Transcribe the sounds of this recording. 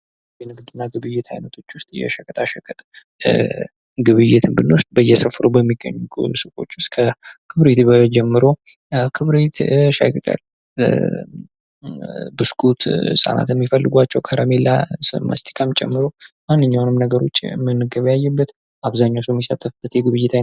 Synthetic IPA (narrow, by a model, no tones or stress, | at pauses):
jɛnɨɡd̪ɨnːaɡɨβɨjːɪt̪ʰhajnət̪ʰo̞t͡ʃːwʊst̪ʼjɛ̰ʃəkʰʼət̪ʼaʃəkʼʰət̪ʼ | ɡɨβɨjːɪt̪ʰɨmbɨnːowʊst̪̚ʼbəjːɛsəfɾubəmːiɡːə̰ɲːuksɨkʼo̞̰t͡ʃːwʊst̪̚ʼkʰəkʰɨβɾet̪bəd͡ʒɛmːɨɾo̞ | kʰɨβɾet̪ʃa̰kʰʼət̪ʼa̰l | bɨskʰut̪sʼa̰na̰t̪jɛmːifəlːɨɡʷat͡ʃːɛwkʰəɾəmelːa̰sɨma̰st̪ʰi̥kʰamt͡ʃʼɛ̰mːɨɾomanːɨɲːawnɨmnəɡəɾo̞t͡ʃːmɨnːɨɡəβjajːɛbːət̪ | aβzaɲːawsomːisat̪ʰːəfb̥ət̪jɛɡɨβɨjːɪt̪a